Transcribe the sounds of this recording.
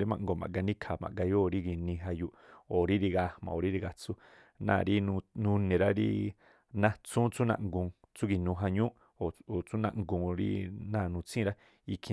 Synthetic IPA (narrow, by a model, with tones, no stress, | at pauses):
ɾi˦mã̰˧˨ŋɡo˧˨mã̰˨ɡa˧nĩ˦kʰa˨mã̰˨ʔɡa˧jo˦ɾi˦ɡi˧nĩ˧ɦa˧ju˧ʔo˨ɾi˦ɾi˧ɡa˧mã̰˨o˨ɾi˦ɾi˧ɡa˧t͡su˦ | nã̰˧˨˧ɾi˦nũ˧nũ˧nẽ˨ɾa˦ɾḭ˦ | nã˦t͡sũː˦t͡su˦nã̰˧ŋɡũ˧˨ | t͡su˦ɡi˧nũː˧ɦa˧ɲũ˦ʔ | o˨o˨t͡sũ˦nã̰˧ʔŋɡũ˧˨ɾḭ˦nã˦˨nũ˧t͡sĩ˦˧ɾa˦ | i˧kʰĩ˧